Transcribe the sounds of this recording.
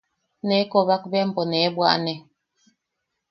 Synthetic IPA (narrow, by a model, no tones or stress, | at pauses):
nɛkɔβak̚bɛʔm̩pɔnɛbwa̰ʔnɛ